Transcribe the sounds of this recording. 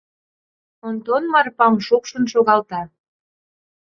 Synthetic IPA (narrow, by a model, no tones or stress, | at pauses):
ond̪onmɑrpɑmʃokʃə̆nʃoɣɑlt̪ɑ